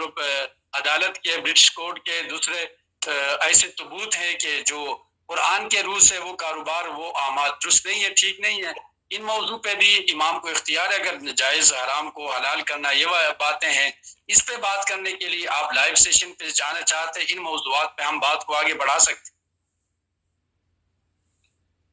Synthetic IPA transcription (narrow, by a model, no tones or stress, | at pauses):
ɐd̪aːlət̪kebɾɪʈɪʃkoːɾɖked̪uːsɾe | ɛːset̪ʊbuːt̪ɦɛ̃ked͡ʒoː | qʊɾaːnkeɾuːzɦɛ̃ʋokaːɾoːbaːɾʋoʔaːmaːd̪d̪ʊɾʊst̪nɐɦĩɦɛ̃ʈʰiːknɐɦĩɦɛ̃ː | ɪnmɔːzũpebʱiɪmaːmkoɪxt̪ɪjaːɾɦɛɐɡəɾd͡ʒaːɪzɦɐɾaːmkoɦɐlaːlkɐɾnajebaːt̪ẽɦɛ̃ɪspebaːt̪kɐɾnekelieʔaːplaːɪʋseːʃənped͡ʒaːnat͡ʃaːɦt̪ẽɪnmɔːzuaːt̪̚peɦɐmbaːt̪koaːɡebɐɽ̤aːsɐk̚t̪e̥